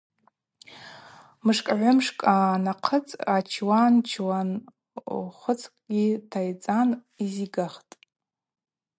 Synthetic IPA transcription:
mɨʂkʼʕʷʊmʂkʼanaqʰət͡sʼat͡ʃʰwant͡ʃʰwan | χʷʊt͡sʰkʼɡʲitʰajt͡sʼan | iziɡaχtʼ

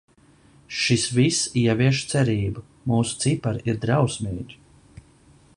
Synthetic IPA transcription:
ʃisvisiɛvʲiɛʃt̪sɛɾiːbu | muːsu̥t̪sipaɾiɾd̪ɾawsmiːd̪ʲ

